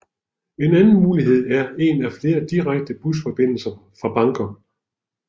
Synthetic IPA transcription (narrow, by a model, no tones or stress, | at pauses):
e̝nænn̩muːliɦe̝ð̞̰ˠæɐe̝ːnæfle̝ːɐd̥iʁaɡ̥̚d̥əb̥usfɒ̽b̥e̝n̰l̩sɐfʁɑ̈b̥ɑ̈ŋɡ̥ɐ